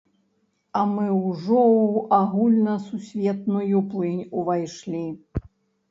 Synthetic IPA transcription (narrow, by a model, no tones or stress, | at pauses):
ɐmɨwʐɔwaɣulʲnɐsusʲvʲɛt̪nujuplˠɨnʲuvajʂlʲi